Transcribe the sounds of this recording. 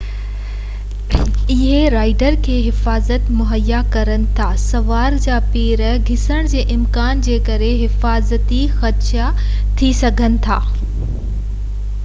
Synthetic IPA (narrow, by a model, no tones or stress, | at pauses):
ɪɦeɾaːɪɖəɾkʰeːɦɪfaːzət̪mʊɦəjːakɐɾənɪ̆t̪ʰaːsɐʋaːɾd͡ʑaːpeːɾəɡʱɪsəɽ̃d͡ʑeːʔɪmkaːnd͡ʑeːkɐɾeɦɪfaːzət̪ixɐtʃa | t̪ʰisɐɡʱənɪ̆t̪ʰaː